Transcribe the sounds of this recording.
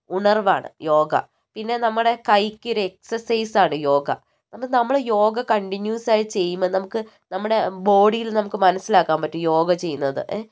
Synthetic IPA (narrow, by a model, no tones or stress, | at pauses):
uɳɐrʋa̰ːɳɨ̰jo̞ːɡɐ̰ | pinːe̞nɐmːuɽe̞kɐjkʲːoɾuek̚sɐrsɐjsaːɳɨjo̞ːɡɐ | nɐmukːɨnɐmːuɽejo̞ːɡɐkɐɳʈiɲjuːsaːjit͡ɕe̞jːumːɐðɨnɐmukːɨ | nɐmːuɽe̞bo̞ːɽijilnɐmukːɨmɐnɐsːilaːkːaːmpɐtːɨjo̞ːɡɐt͡ɕe̞jːunːɐðɨ̰ʔe